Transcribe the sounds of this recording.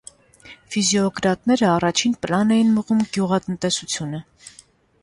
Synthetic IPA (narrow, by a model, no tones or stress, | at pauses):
fizjɔɔɡɾɑt̪nɛɾəɑrɑt͡ʃʰinpəlɑnɛjinməʁumɡjuʁɑt̪ənt̪ɛsut͡sʰjunə